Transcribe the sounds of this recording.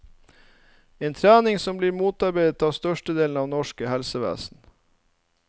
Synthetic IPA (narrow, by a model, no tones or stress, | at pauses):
eːnt̪ʰɾæːnɪŋsɔmbliːɾmuːt̪ɑɾbeːd̪ət̪ɑːʋst̪œʃʈəd̪eːln̩ɑːʋnɔʃkəhɛlsəʋḛːsn̩